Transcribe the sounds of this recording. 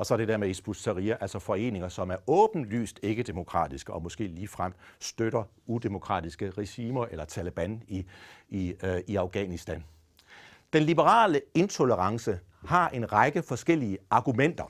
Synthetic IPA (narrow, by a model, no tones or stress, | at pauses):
ɒ̽sɒɐde̝deɐmeisb̥usæʁiːæʔæl̰sɒ̽fɒ̽e̝̰ːne̝ŋɐsɒ̽mæɐʔɔ̽ːb̥n̩ly̰ːsd̥e̝ɡ̥əd̥e̝mo̝kʰʁɑ̰̈ːd̥isɡ̥əʔɒ̽mɔ̽sɡ̥e̝̰ːliːfʁam̰d̥sd̥øɾɐud̥e̝mo̝kʰʁɑ̰̈ːd̥isɡ̥əʁeɕiːmɐʔelɐt͡sʰæləb̥æni | iɑ̈ʊɡ̥ɛ̰nisd̥æn | d̥enlib̥əʁɑ̰̈ːləe̝nt͡sʰo̝ləʁɑ̈ŋsə | hɑ̈ʔe̝nʁɑ̈ɡ̥əfɒ̽sɡ̥el̰iəɑ̈ɡ̥umen̰d̥ɐ